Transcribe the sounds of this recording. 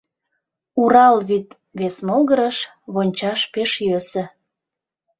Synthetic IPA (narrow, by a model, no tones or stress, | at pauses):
uɾɑlβit̪ | βesmolɣəɾəʃ | βonʲt͡ɕɑʃpeʃjøsə̆